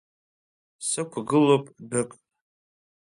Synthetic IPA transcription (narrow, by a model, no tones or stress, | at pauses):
sɨkʷʰaɡɨlopʼdɨkʼ